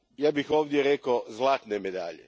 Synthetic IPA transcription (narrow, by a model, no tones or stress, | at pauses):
jaːbixoːʋd̪jeɾekozlˠaːt̪nemed̪a̰ːʎḛ